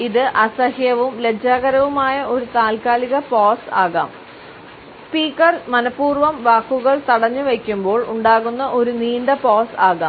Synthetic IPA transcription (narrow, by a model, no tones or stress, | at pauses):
iðɨʔɐsɐhjɐʋumled͡ʑaːɣɐɾɐʋumaːjɐʔo̞ɾut̪aːlkaːliɣɐpoːsa̰ːɣa̰ːm | spiːkːɐrmɐnɐpːuːrʋɐmʋaːkːuɣɐɭt̪ɐɽɐɲːuʋekʲːumbo̞ːɭuɳɖaːɣunːɐʔo̞ɾuniːɳɖɐpoːsaːɣaːm